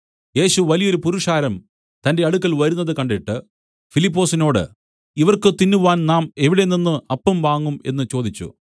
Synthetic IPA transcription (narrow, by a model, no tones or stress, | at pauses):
je̞ːɕuʋɐlijɐo̞ɾupuɾuʂaːɾɐm | t̪ɐnde̞ɐɽukːɐɭʋɐɾunːɐðɨkɐɳɖiʈːɨ | filipːo̞ːsino̞ːɽɨ̰ | iʋɐrkɨt̪inːuʋaːnnaːme̞ʋiɽe̞ninːɨɐpːɐmʋaːŋːume̞̰nːɨt͡ɕo̞ːd̪it͡ɕːṵ